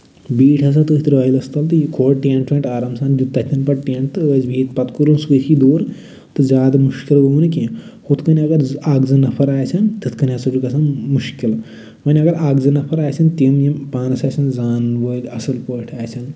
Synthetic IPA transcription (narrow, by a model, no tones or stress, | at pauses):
biːʈʰɐs̬ɐt̪ɨit̪ɾʋɐjlɐst̪ɐlt̪ɨjikʰoːʈʈʲẽːɳʈt͡ʃʰɐːɳʈaːɾɐmsaːnd͡ʒut̪ːɐt̪ʲʰːɐnpɐʈ̚ʈʲeːɳʈ̚t̪ɨʋɐzbiːt̪̚pɐt̪kuɾunsʋəid̪oːɾ | t̪ɨzʲaːd̪ɐmuʃkilʋəunike | hot̪ʰkɐnʲiɐɡɐɾaːɡzɐnɐpʰɐɾaːjsʰɐnt̪ɨt̪ʰkɐnʲɐsɐd͡ʒukɐsɐnmuʃkil | ʋɐnʲɐɡɐɾaːɡzɐnɐpʰɐɾaːjt͡ʃʰɐnt̪imjimpaːnɐsaːsʰɐnzaːnʋəːlʲɐsɐlpəːʈʰaːjt͡ʃʰɐn